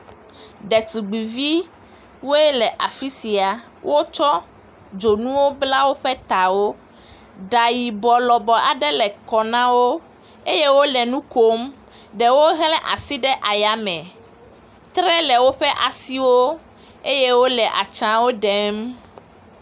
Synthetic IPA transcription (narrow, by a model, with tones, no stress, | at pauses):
ɖɛ˨t̪u˨ɡ͡bi˨vi˦ | wo˦ɛ˦lɛ˨ʔa˨fi˦si˨a˨ | wʔo˦t͡ʃɔ˦ | d͡ʒo˨nũ˦wo˦bla˦wo˦ɸɛ˦t̪a˨wo˦ | ɖa˨ji˨bɔ˨lɔ˨bɔ˨a˨ɖɛ˦lɛ˨kɔ˨nã˦wo˦ | e˦je˦wo˦lɛ˨nũ˦ko˦m | ɖɛ˨wo˦ɦlɛ̃˦ʔa̰˨si˦ɖɛ˦ʔa˨ja˨mɛ̃˨ | t̪ɾɛ˦lɛ˨wo˦ɸɛ˦ʔa˨si˦wo˦ | e˦je˦wo˦lɛ˨ʔa̰˨t͡ʃã˦wo˦ɖɛ˦m